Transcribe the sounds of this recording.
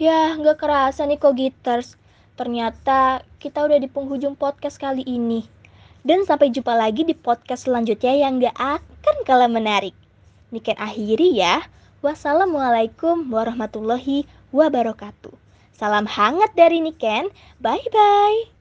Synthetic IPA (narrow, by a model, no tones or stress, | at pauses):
jaŋɡaʔkəɾasanikoɡit̪ərs | t̪ərɲat̪akit̪audahdipuŋɦud͡ʒʊŋpɔt̪̚kaskaliʔːni | dansampajd͡ʒupalaɡidipɔt̪̚kasəlaɲd͡ʒut̪̚ɲajaŋɡaʔakankalawmənaɾɪk̚ | nikɛnʔaɦiɾija | wasalamwalajkumwaɾɔhmat̪ulːɔɦi | wabaɾɔkat̪u | salamhaŋət̪̚daɾinikɛn | bajbaj